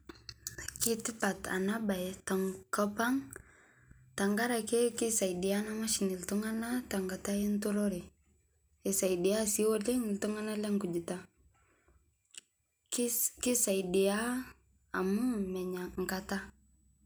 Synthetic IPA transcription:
ki˦tɪ˦pa˨ta̰˨na˦ba˨jta˨ŋkɔ˦pa˦ŋ | ta˨ŋɡa˦ɾa˨kɛ˦ki˦sa˨idɪ˨a˦na˦ma˦ʃini˨ltu˦ŋa˦na˦ta˨ŋɡa˨ta˦i˦ntu˦ɾɔɾe˨ | e˨sa˨jdɪ˨a˦si˦wo˦le˦ŋɪ˨ltu˦ŋa˦na˦lɛ˦ŋɡu˨d͡ʒi˨ta | kki˦sa˨ɪdɪ˨a˦ | a˨mʊ˦mɛ˨ɲa˨ŋɡata˦

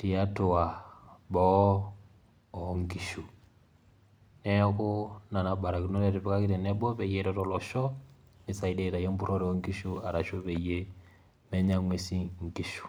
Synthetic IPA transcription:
ti˨a˦to˨wa˨bɔ˦ | ɔ˨˦ŋɡi˦˨ʃu˨ | nɛ˦kʊ˦na˨na˨ba˨ɾa˨ki˨nɔ˦ɾɛ˦ɾɛ˨βɛ˦ka˦ki˦ɾɛ˨nɛ˦bɔ˦βɛ˨jɛ˦ɾɔ˦tɔ˨lɔ˨ʃɔ˦ | ni˨˦sa˨i˦dɛ˦ɾa˨jɛ˦m˦bu˦ɾɔ˦ɾɛ˨ɔ˦ŋɡi˦ʃu˦a˨ɾa˨ʃɔ˦βɛ˨je˦ | mɛ˦ɲa˦ŋwe˨si˦ŋ˨ɡi˦ʃu̥˨

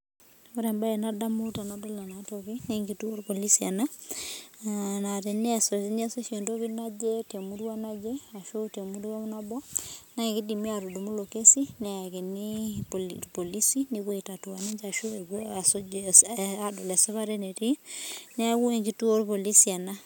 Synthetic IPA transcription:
o˦ɾɛ˨mba˦enada˦mu˦ta˨nado˦la˨natoki˦neŋɡitu˦o˦ɾpo˨li˦sia˨na˦ | na˨te˨ni˦a˨soni˦a˨so˦ʃe˨ndo˦ki˦na˦d͡ʒe˦te˨muɾwa˦na˦d͡ʒe˦a˨ʃo˦te˨mu˦du˦wa˦mu˦nabɔ˦na˦e˨ki˦di˨mi˦a˨ɾu˨du˨mu˦lo˨ke˦si˦nɛ˨a˨ke˨ni | po˨li˦si˦ni˦ko˦i˨ta˨tu˨wa˨ni˦ɲd͡ʒa˨ʃo˦e˨ka˨so | a˨do˨lɛ˨se˦βa˦ɾe˦ne˨ti˦ne˦ku˦e˨ŋɡi˨tu˦o˦ɾpo˨li˦sia˨na˦

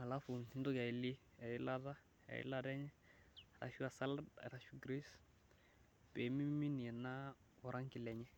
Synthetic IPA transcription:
a˨la˦fu˨ni˦n˦dɔ˦ka˨ɪ˨li˦ | a˨ɪ˦la˦ɾa˦ | a̰˨ḭ˦la˦ɾɛ˦ɲɛ˦a˨ɾa̰˨ʃu˦a˨sa˦lada̰˨ɾa˨ʃu˦ɡɾi˦s | pɛ˨mi˦mi˦mi˦ni˨ɛ˨na˦ | wɔ˨ɾʔa˦ŋkɪ˨lɛ˨ɲɛ˦

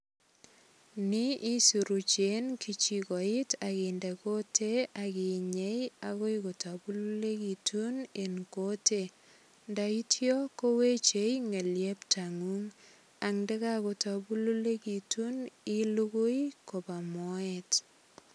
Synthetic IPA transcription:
ni˦ʔi˦su˨ɾu˨t͡ʃenkit͡ʃi˨kɔ˨itʰakindɛ˨ko˦tʰe˦aki˨ɲe˦jaɣo˦jkota˨bu˦lu˦le˦kitʰunenkote | nda˨i˦tʰjɔ˦ko˦we˦t͡ʃe˦jŋe˨lje˦ptaŋu˦ŋ | a˨ŋndɛ˦kako˨ta˨bu˦lu˦le˦kituni˦luɡo˦jko˨ba˨mɔɛt

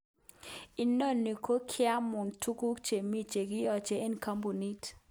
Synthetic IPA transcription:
i˨no˦˨nːi˨ko˦kʰɪ˦a˦mu˨ntu˦ku˦kt͡ʃe˨mi˦t͡ʃe˨ɡi˦jɔ˨t͡ʃe˨e˦nka˦mbu˨ni˦t

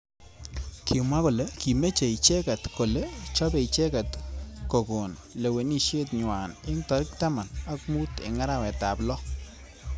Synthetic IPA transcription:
kʰɪ˨mwa˦ko˨le˦ki˨me˦t͡ʃe˨i˨t͡ʃɛ˦ka˨tko˨le˦t͡ʃɔ˦be˨i˨t͡ʃɛ˦ka˨tko˨ko˨nle˨we˨ni˦ʃje˦tɲwa˨nɪ˦ŋtɔ˦ɾɪ˦k̚ta˦ma˨na˦k̚mu˦tɪ̰˨ŋa˦ɾa˦˨wɛ˨ta˨plɔ˦

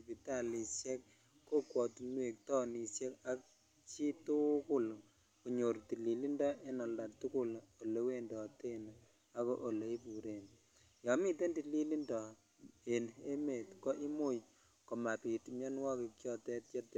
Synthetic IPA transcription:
pi˨ta˦˨li˨sjɛ˦kː | o˦kwɔ˨tu˨nwe˨k̚tɔ˦ni˨sjɛ˦ka˦k̚ | t͡ʃi˦tu˦ku˦l | ku˨ɲo˨ɾti˨li˨li˦ndɔ˦ʔe˦nɔ˨la˨tu˦kʊ˦lo˨le˨˦we˦ndɔ˨te˦n | a˦ko˦ʔo˨le˨i˦pu˨ɾe˨n | jɔ˨mi˦te˦ndi˨li˦li˦ndɔ˨ | e˨ne˦me˨tko˦ʔi˦mo˦ | ko˨ma˨pi˨tmo˦nwɔ˦ki˨kjɔ˦tɛ˦tje˦t

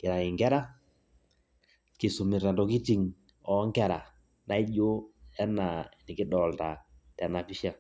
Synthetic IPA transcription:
ki˨ɾa˨ŋi˨ŋɡɛ˦ɾa˦ | ki˨su˨mi˨ɾɛ˨ndɔ˨ki˦ti˨ŋ | ɔ˨˦ŋkɛ˦ɾa˨ | na˦i˦ʄo˦ɛ˦na˨ni˨ki˦ɗɔ˨lta˨ | tɛ˨na˨pi˦ʃa˨

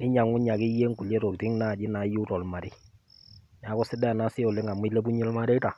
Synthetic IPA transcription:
nɪ˦ɲa˨ŋʊ˦ɲa˨kɪ˦je˦ŋɡu˨le˦ɾo˨ktɪ˦ŋna˦˨d͡ʒɪ˦na˨˦ju˦ɾɔ˨lma˨ɾɪ˦ | nɛ˨a˨˦kɔ˦sɪ˦dɛ˦˨na˦sɪ˦ɔ˨le˦ŋa˨m˦i˦le˦bu˦ɲe˦lma˦ɾe˦ta˨

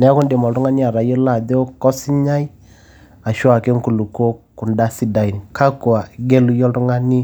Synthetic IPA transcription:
nɛ˨˦kʊ˦nde˨mɔ˨lɾu˦ŋa˦ni˦a˨ɾa˨jɔ˦la˨de˦o˦kɔ˦sɪ˦ɲa˦j | a˨ʃwa˨ke˦ŋ˦ku˨lu˨ko˦ku˨nda˦si˦da˨i˨n˨ka˦ku˨a˨ɡe˦lu˦jɔ˦ɾu˦ŋa˦ni˦

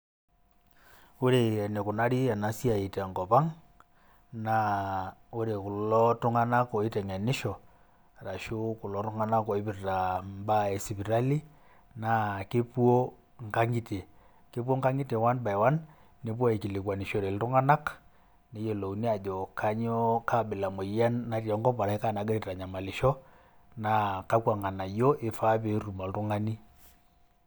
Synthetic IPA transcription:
o˦ɾe˨ne˨kʊ˨na˦ɾi˦ɛ˨na˨si˦a˨i˨tɛ˨ŋkɔ˨pa˦ŋ | na˦o˦ɾe˨kʊ˨lɔ˦tʊ˦ŋa˦na˦kɔ˨i˦tɛ˨ŋɛ˨nɪ˦ʃɔ˨ | ɾa˨ʃo˦kʊ˨lɔ˦tʊ˦ŋa˦na˦kɔ˨ɪ˦pɪ˨rta˨mba˦e˨si˨pi˨ɾa˦li˦ | na˦ke˦pu˦o˦ | ŋka˦ŋɡi˦te˨ | ke˦p̬wo˦ŋɡa˦ŋi˦te˨wa˦nba˨e˨wa˦n | ne˦p̬wa˦e˨ki˨lɪ˨kwa˨ni˨ʃɔ˨ɾe˨ltʊ˦ŋa˦na˦k | ne˨˦je˨lo˨u˨˦ni˦a˨d͡ʒɔ˨ka˦ɲɔ˦ka˦˨ɓɪ˨la˨mo˨ja˦nːa˦rja˨˦ŋɡɔ˦pa˨ɾa˨ɪ˦ka˦˨na˨˦ɡe˦ɾe˦˨ɾa˨ɲa˨ma˨lɪ˨ʃɔ˦ | na˨ka˦kwa˨ŋa˨na˨jɔ˦ʔɪ˦fa˦pe˦ru˨ma˨ltʊ˦ŋa˦ni˦

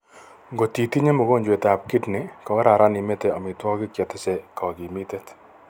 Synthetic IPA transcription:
ŋɡo˨ti˨ti˦ɲe˦mo˨ko˦˨ɲd͡ʒwe˨ta˨p̚kɪ˦tnɪ˨kɔ˨˦ɾa˨ɾa˦ni˨me˦te˨a˨mɪ˨twɔ˦kɪ˦kjɛ˨tɪ˦se˨kʰɔ˨ki˨mi˦te˦t

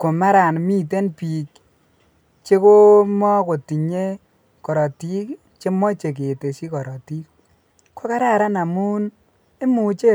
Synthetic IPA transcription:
ko˨ma˦ɾa˨nmi˦t̬e˦npi˨k | t͡ʃe˦ko˦mɔ˦ko˨ti˨ɲe˦ | kɔ˨ɾɔ˨ti˦k | t͡ʃe˦mɔ˦t͡ʃe˨k̬e˨te˨si˦kɔ˨ɾɔ˨ti˦k̚ | ko˦ka˦ɾa˦ɾa˦na˨mu˦n | e˦mu˨t͡ʃe˦

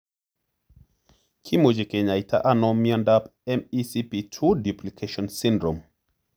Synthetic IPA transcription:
kʰi˦mo˨d͡ʒe˨ke˨ɲa˨jtʰa̰˦ʔa˦nɔ˦mi˦ɔ̃˦nda˦pɛ˦mi˦si˦pi˨tʰu˦du˨pli˨kʰeʃɔ̃˨nsĩ˦ndɾɔ˨m

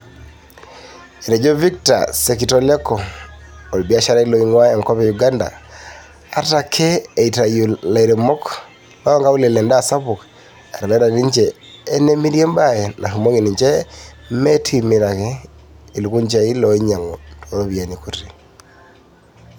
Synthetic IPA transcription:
e˨ne˨d͡ʒo˦vi˦k̚ta̰˨se˨ki˨tɔ˦lɛ˦kɔ˨ | o˨lbi˦a˦ʃa˦ɾa˦i˦lɔ˨i˦ŋwa˦e˨ŋkɔ˦pe˨ju˨ɡa˦nda̰˨ | a˦ta˨kʰe˦e˨ita˨ju˨la˨i˨ɾe˨mɔ˦k | la˦a˦ŋɡa˦u˦le˨lɛ˨nda˦˨sa˦pu˨k | a˨ɾa˨lɛ˦ɾa˨ni˦ɲd͡ʒeː˦ | ne˦mi˦ɾje˦mba˦je˨na˨hu˨mo˦ŋi˨ni˨ɲd͡ʒɛ˦me˦tʰimɪ˨ɾa˨ke˦i˨lu˨ku˦ɲt͡ʃe˨i˦lɔ˨i˦ɲa˨ŋo˨toðo˦βi˨a˨ni˨ku˦ti˨

